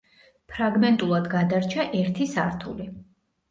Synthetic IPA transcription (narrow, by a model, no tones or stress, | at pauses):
pʰɾaɡmɛnt̪ʼulˠad̪ɡad̪aɾt͡ʃʰaʔɛɾt̪ʰisa̰ɾt̪ʰṵli